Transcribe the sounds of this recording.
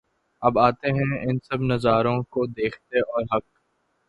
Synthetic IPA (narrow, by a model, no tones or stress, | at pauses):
ɐbaːt̪eɦɛ̃ɪnsɐbnɐzaːɾõkod̪eːkʰt̪eɔːɾɦɐk̚